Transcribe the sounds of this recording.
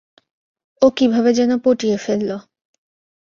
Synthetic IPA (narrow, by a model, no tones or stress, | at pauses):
okibʱabed͡ʑɛnopoʈiefelːo